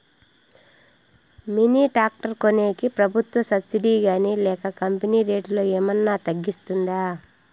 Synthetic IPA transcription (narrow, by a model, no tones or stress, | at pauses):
miniːʈaːk̚ʈɐɾkoneːkipɾɐbʱut̪ʋɐsɐbsiɖiːɡaːnilɛːkɐkɐmpɐniːɾe̞ːʈlo̞ːeːmɐnːaːt̪ɐɡːist̪und̪aː